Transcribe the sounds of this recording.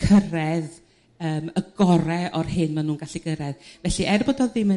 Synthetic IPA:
kʰərɛð | əːməɡɔɾɛʔɔrhɪnmanuːnɡaɬiɡəɾɛðvɛɬiʔɛrbɔdɔðɪmɪ

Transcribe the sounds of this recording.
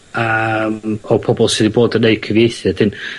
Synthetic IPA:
əmɔpʰɔbɔlˠsidiboːdənːeɨkʰəvjejθjad̥ɪn

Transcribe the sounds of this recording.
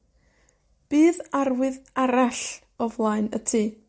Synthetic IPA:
b̥iːðarwɨðaɾaɬ | ɔvlˠaɨnətʰi

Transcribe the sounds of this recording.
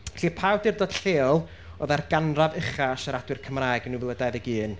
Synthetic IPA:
ɬiːpʰawdirdoːd̥ɬeːlˠ | oːðarɡanravəχaʃəɾadwɨrkʰəmraːjɡnuːvlˠədajðəɡiːn

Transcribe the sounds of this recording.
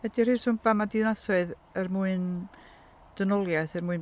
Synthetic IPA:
vɛdir̥ɨːsʊmbamadɪnaθɔɨð | ərmuːɨn | d̥ənɔlˠjaθɛrmuɨn

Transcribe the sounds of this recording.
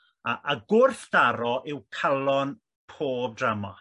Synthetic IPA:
aʔaɡʊrθd̥aɾɔʔɪwkʰalˠɔn | pʰoːb̚dramɔ

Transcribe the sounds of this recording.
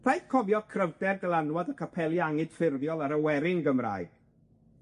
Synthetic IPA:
ð̥ajθkʰɔvjɔkʰrəvdɛrdəlanwɔdəkʰapʰɛlˠjaŋɨd̥fɪrvjɔlˠaɾəwɛɾɪŋɡəmra̰ːɨɡ̥

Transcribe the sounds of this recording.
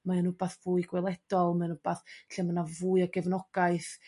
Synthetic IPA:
maanʊbaθv̥uːɨɡwɛlˠɛd̥ɔlˠmanʊb̥aθɬɛmanavuːɨaɡɛvnɔɡ̥aɨθ

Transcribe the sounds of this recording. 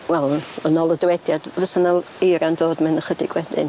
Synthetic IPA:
wɛlˠənɔlˠədwɛdjadvəsənalˠ | ejɾand̥oːdmɪnəχədɪɡwɛdɪ̰n

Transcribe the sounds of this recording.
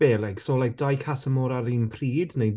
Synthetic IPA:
eːlˠɛɡ̥solajk̚d̥ajkʰasəmɔɾaɾinpʰr̥iːdnej

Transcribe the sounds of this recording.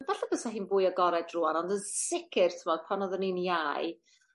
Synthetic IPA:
vaɬabəsaɦiːnbʊːjəɡɔɾɛdruanɔndənsɪkʰɪr̥tʰəmɔd̥̚pʰanɔðəninjaj

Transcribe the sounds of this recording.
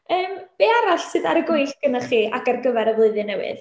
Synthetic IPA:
əːmb̥eːaɾaɬsɨːðaɾəɡʊjɬ̚ɡ̥ənaχiːʔakarɡəvɛɾəvlˠʊɨðɨnɛwɨ̰ð

